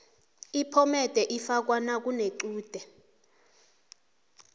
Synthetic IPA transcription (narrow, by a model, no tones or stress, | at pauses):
ipʰɔmɛd̥ʱɛʔifak̬wanak̬ʼuneǀuːd̥ʱɛ